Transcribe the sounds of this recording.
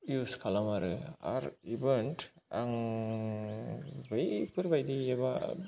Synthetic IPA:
juskʰalamaɾɯa̰ɾibɯntaŋ | bajpʰɯɾbajdieba

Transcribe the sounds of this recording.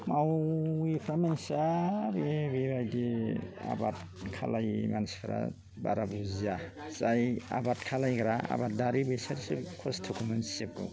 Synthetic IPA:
mawipʰɾamensabebebajdea̰bat | kʰa̰lajmanspʰɾa̰ | ba̰ɾabuziazaja̰batkʰalajɡɾaa̰bat̚daɾibɯjsaɾisikʰɔstʰukʰumensep̚ɡṵ

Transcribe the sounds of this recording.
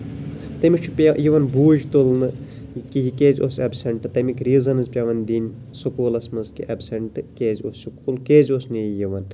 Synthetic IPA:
t̪ɐmit͡ʃʰupʲajiʋɐnbuːʒt̪olnɨ | kiɦikeːzʲosɐbsʲɐɳʈɨt̪ɐmikʲɾiːzɐnɨzpʲaʋɐnd̪inʲ | sukuːlɐsmɐzkḭʔɐbsʲɐɳʈɨkeːzʲosukulkeːzʲosniijiʋɐn

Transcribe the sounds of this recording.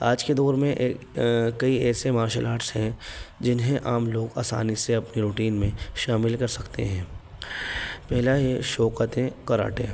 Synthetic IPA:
aːd͡ʒked̪ɔːɾmẽʔeːkː | ɐiɛːsemaːɾʃəlaːɾʈsɦɛ̃d͡ʒɪnɦẽʔaːmloːɡa̰ːsa̰ːniseɐpniɾuːʈiːnmẽʃaːmɪlkɐɾsɐkt̪ḛɦɛ̃ː | pɛɦlaɦeʃɔːqət̪ẽkɐɾa̰ːʈḛ̃ː

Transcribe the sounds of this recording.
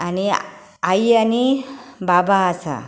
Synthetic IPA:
ani | ajanibabaːsa̰

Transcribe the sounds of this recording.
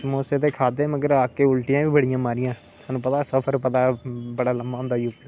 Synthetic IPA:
smoːseːt̪eːkʰaːd̪eːməɡəɾaːkeːʊlʈɪjãːʋiːbəɽɪjãːmaːɾɪjãː | aːnũːp̬ət̪aːsəpʰəɾpət̪aːbəɽaːləmaːɦʊ̃nd̪aːiʊpː

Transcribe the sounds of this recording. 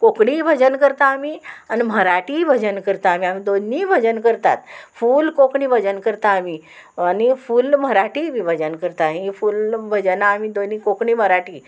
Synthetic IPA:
kokɽibʱəd͡ʑənkəɾt̪aːmianim̤əɾaʈibʱəd͡ʑənkəɾt̪aːm̤iamid̪onːibʱəd͡ʑənkəɾt̪a̰t̪fuːlkokɽĩbʱəd͡ʑənkəɾt̪aːmi | anifuːlm̤əɾaʈibʱibʱəd͡ʑənkəɾt̪aɦĩfuːlbʱəd͡ʑənaːmid̪onːikokɳim̤əɾaʈiː

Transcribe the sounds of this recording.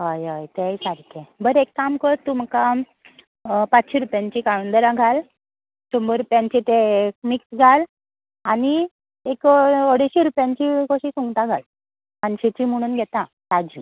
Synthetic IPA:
ɦajajt̪ejsaɾkʰebəɾekːamkət̪um̤əka | pat͡sɕiɾupjãɲt͡ɕikaɽund̪əɾãɡʱal | t͡ɕɔmbəɾupjãɲt͡ɕit̪emiksɡʱal | aɽi | ekoɽeɕiɾupjaɲt͡ɕiɡoɕiːsuŋɡt̪ãɡʱal | paɲɕet͡ɕim̤əɽ̃uːnɡʱɛt̪ã | sad͡ʑi

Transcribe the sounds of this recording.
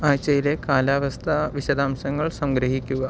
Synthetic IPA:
ajt͡ɕejlekaːlaʋɐst̪ʰaʋiɕɐd̪aːmsɐŋɡɐɭsɐ̃ŋɡɾɐɦikuʋa

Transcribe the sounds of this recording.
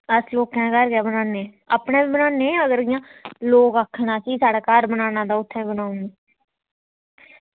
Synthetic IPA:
əsloːkãːkəɾɡɛːbənaːneː | a̰ːpnẽːbiːbənaːneːəɡəɾɡɪjãːloːkakʰːnaːsiːsaːɽaːkaːɾbənaːnãːd̪aːʊt̪ʰːɛːɡənaːʊne

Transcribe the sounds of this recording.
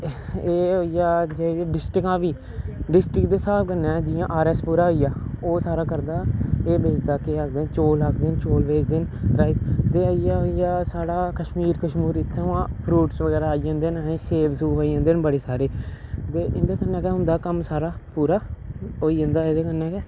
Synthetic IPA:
eːɦoːijaːd͡ʒeːeːɖɪsʈɾɪkãːʋiː | ɖɪsʈɾɪkd̪eːsaːbkənːɛ̃ːd͡ʒɪjãːʔaːɾɛːspuːɾaːɦoːijaːoːsaːɾaːkəɾd̪aːeːbeːd͡ʒd̪aːkeːək̚d̪eːnt͡ʃoːlɦəkd̪ɪnt͡ʃoːlbeːd͡ʒd̪ɪnɾaːist̪eːəijaːoijaːsaːɽaːkəʃmiːɾkəʃmuːɾɪt̪ʰːeːãːpʰɾuːʈsʋəɡɛːɾaːid͡ʒãːnd̪eːnaːẽːseːbsuːpaːijãːnd̪eːnbəɽeːsaːɾeːt̪eːʔɪ̰nd̪aːkənːɛːkɛːɦʊ̃nd̪aːkəmsaːɾaːpuːɾaːoːiːẽːnd̪aːeːd̪eːkənːɛːkɛː

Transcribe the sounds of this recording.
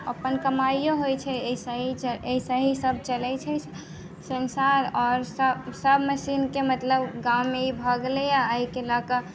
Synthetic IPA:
ə̰pənkəmaijoɦojt͡ʃʰɛeisaɦit͡ʃeɦisaɦisəb̚ʱt͡ʃəlɛt͡ʃʰɛ | sənsaɾɔːɾssəbʱməsinkemət̪ləbɡawmeibʱəɡlejaːikelaka

